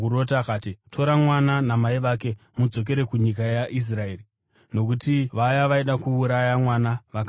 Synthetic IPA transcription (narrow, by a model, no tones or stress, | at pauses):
uɾot̬akaːtitʰo̞ɾamwananamaiʋak̬e̞ | mud͡zo̞k̬e̞ɾe̞kuɲik̬ajaʔis̬raeːri | no̞k̬utiʋajaʋaiɗakuːɾajamwanaʋaka